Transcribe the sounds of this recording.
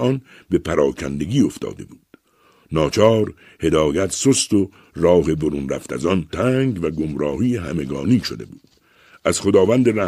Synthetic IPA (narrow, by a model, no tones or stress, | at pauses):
ɒːn | be̞pʰæɾɒːkʰæ̰nd̪e̞ɡiːo̞ft̪ɒ̰ːd̪e̞̰buːd̪̥ | nɒːt͡ʃʰɒːɾ | he̞d̪ɒːjæt̪sost̪o | rɒːhe̞boɾuːnræft̪æ̰zɒnt̪ʰæːŋɡvæɡomɾɒːhiːeɦæme̞ɡɒːniːʃod̪e̞̰buːd̪̥ | ʔæz̥xo̞d̪ɒːvænd̪eɾæ